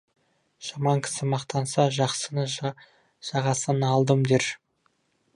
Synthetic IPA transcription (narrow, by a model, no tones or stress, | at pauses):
ʒ̥ɑmɑŋkʲʰɪ̥sɪmɑqt̪ɑnsɑʒɑqsənə | ʒ̥ɑʁɑsənəɑlˠd̪əmd̪eɾ